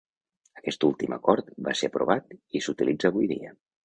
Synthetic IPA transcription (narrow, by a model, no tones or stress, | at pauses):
əkɛst̪ulˠt̪imə̰kɔɾt̪ba̰seəpɾuβat̪isut̪ilid͡zəːβujðḭə